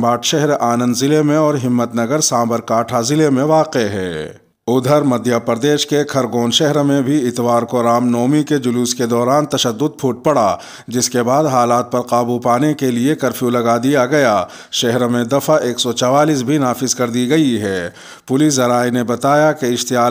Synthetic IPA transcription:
baːʈʃɛɦɾaːnə̃nd̪zɪlemẽɔːɾɦɪmːət̪nɐɡəɾsãːmbəɾkaːʈʰazɪlemẽʋaːqeɦɛ̰ː | ʊd̪ʱəɾmɐd̪ʱjapəɾd̪eːʃkekʰɐɾɡoːnʃɛɦɾmẽbʱiɪt̪ʋaːɾkoɾaːmnɔːmiked͡ʒʊluːsked̪ɔːɾaːnt̪ɐʃəd̪ːʊd̪̚pʰuːʈ̚pɐɽaː | d͡ʒɪskebaːd̪ɦaːlaːt̪̚pɐɾqaːbupaːnekeliekɐɾfʰjũlɐɡad̪ijaɡɐjaː | ʃɛɦɾmẽd̪ɐfʰaʔeːksɔt͡ʃɔʋaːliːs̬bʱinaːfɪzkɐɾd̪iɡɐiɦɛː | pʊliːs̬ɐɾaːjnebɐt̪aːjakeɪʃt̪ɪjaː

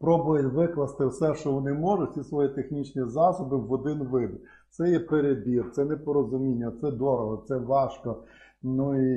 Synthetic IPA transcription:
pɾɔbʊjɐtʲʋɪklˠɐst̪ɪwsɛʃt͡ʃɔʋɔnɪmɔʒʊsʲisʋɔjit̪exnʲit͡ʃnʲizɑsɔbɪʋɔd̪ɪnʋɪd̪ | t̪sɛjɛpeɾebʲirt̪sɛnɛpɔɾɔzʊmʲinʲːɐt̪sɛd̪ɔɾɔɦɔt̪sɛʋɑʃkɔ | nui

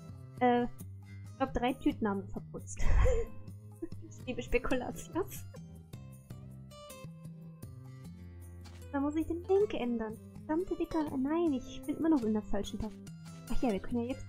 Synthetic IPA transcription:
ʔɛː | ɪ̥laʊbəd̥ʁaɪtʰyːtn̩haːbmfɛɐpʰʊt͡st | ɪliːbəʃpekʰula̰t͡sjo | d̥aːmʊs̬ɪçd̥eːnlɛŋkəʔɛndɐn | z̥amtʰədɪkɐnaɪnɪçb̥ɪnʔɪ̰mɐnɔχɪndɛɐfalʃn̩tʰaf | ʔaχjaːviːɐkʰœnənjaːjɛt͡st

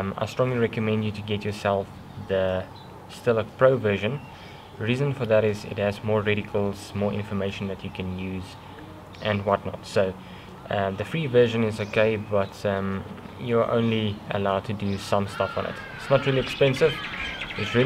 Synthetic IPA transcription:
ma̰ɪstɹ̥ɔ̃ŋliɹɛkəmɛ̃ndjɨtɨɡɛtjəsɛlˠf | ðə | stɪlˠəpʰɹoʊvɜ˞ʒə̃n | ɹiːzə̃nfə˞ðæɾɪzɪ̰t̚həzmɔːɹɹɛɾɪkʰəl̩ˠz̥mɔːɹʔɪ̰̃nfə˞meɪʃə̃nðɨt͡ʃɨkʰɨ̃njʉːz | ʔɨ̃nwʌtⁿnɔ̰tsoʊ | ʔðəfɹiːvɜ˞ʒə̃nɪzoʊkʰeɪbʌtm | jəʔõ̰ʊ̃nliə̰laʊd̚tʰɨdəsʌ̃mstʌfə̃nɪ̰t | ɪtsnətɹiliɛkspɛ̃nsɪvɪtsɹi

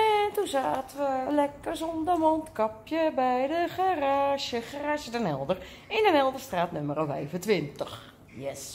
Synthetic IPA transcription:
ɛntuzaːtəʋəlɛkərsɔndəmɔntkapjəbɛjdəxaraːʃjəxaraːʃjədənɛlˠdər | ɪndənɛlˠdərstraːtnøməɾofɛ̰jvəntʋɪntəx | jɛs

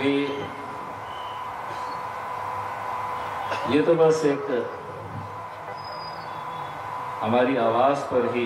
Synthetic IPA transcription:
ɦiː | jeːt̪obɐseːk | ɦɐmaːɾiaːʋaːzpɐɾɦi

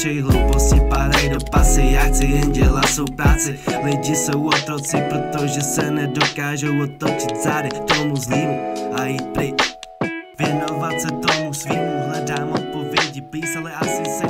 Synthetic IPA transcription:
ʃɛjɦlɛposɪpaːɾajnapasɪjaːxt͡sɪɛnɟɛlasowpɾaːt͡sɪlɪɟɪsowot̪ɾot͡sɪpɾot̪oʒɛsɛnɛdokaːʒowot̪ːot͡ʃɪt̪z̥aːdɛt̪omuzliːmuajiːt̪̚pɾɪ | vjɛnovat̪sɛt̪omusviːmuɦlɛdaːmot̪̚po̞vjɛɟɪpliːsalɛasɪsɪ

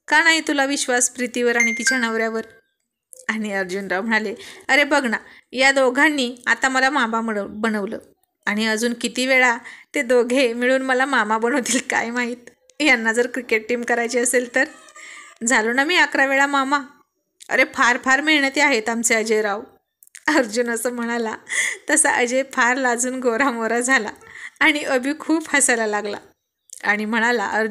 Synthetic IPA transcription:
kanaɦit̪ulaʋiɕʋaspɾit̪iʋəɾaɽ̃ikit͡ɕanəʋɾjaʋəɾ | aɽ̃iəɾd͡ʑuːnɾawm̤əɽ̃aleəɾebəɡʱna | jad̪oɡʱanːiːa̰t̪aməlamabaməbənəʋləː | aɽ̃iəd͡zuːnkit̪iːʋeɭat̪ed̪oɡʱemiɭuːnməlamamabənəʋt̪iːlka̰jmaɦiːt̪̚ | janːad͡zəɾkɾikeʈ̚ʈiːmkəɾajt͡ɕeəselt̪əɾ | d͡zʱalunamiːakɾaʋeɭamama | ə̰ɾepʰaɾpʰaɾmiɭɳət̪eaɦet̪amt͡seəd͡ʑeɾaw | əɾd͡ʑunəsəːm̤əɽ̃alat̪əsaʔəd͡ʑepʰaɾlad͡zuːnɡoɾamoɾad͡zʱala̰ːɽ̃iʔəbʱiːkʰuːphasalalaɡla̰ | aɽ̃im̤əɽ̃ala̰ʔəɾ

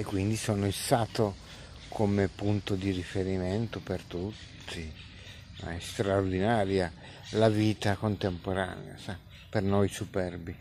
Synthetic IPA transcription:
ekːwind̪isɔːnoist̪aːt̪o | kʰomepunt̪od̪irifeɾiment̪opert̪ut̪ʰːi | ma̰ɛst̪ɾaord̪inaːɾja | laviːt̪akont̪empoɾa̰ːnḛa̰sa | pernojsupɛrbi

